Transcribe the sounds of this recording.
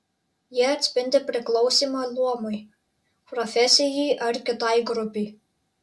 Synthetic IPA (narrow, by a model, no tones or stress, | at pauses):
jiɛɐt̪ʲsʲpʲɪnʲd̪ʲepʲɾʲɪklˠɒʊsʲiːmɑlˠuɔmɔɪ | pɾɔfʲɛsʲɪjɛɪʔɐɾkʲɪt̪ɑˑjɡɾʊpʲɛɪ